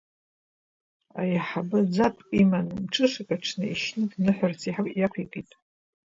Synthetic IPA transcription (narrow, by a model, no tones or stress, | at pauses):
a̰jaħabɨd͡zapʼimanɨmʈ͡ʂʰʼɨʂakʼaʈ͡ʂʰnɨiʃnɨdnɨħʷᶣart͡sʰiħjakʷʰikʼitʼ